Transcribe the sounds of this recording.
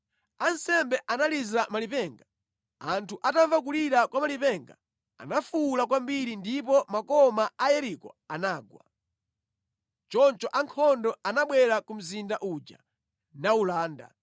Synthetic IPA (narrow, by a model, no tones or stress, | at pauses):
ansɛmbɛʔanalizamalipɛŋɡa | antʰuʔataɱvak̬uliɾakwamalipɛŋɡa̰ | a̰nafulakwambiɾindipɔmakɔmaajɛɾikɔ̰anaːɡwa̰ | t͡ʃɔnt͡ʃɔʔaŋkʰɔndɔanaɓwɛɾakum̩zindaʔud͡ʒa̰ | naulaːnda̰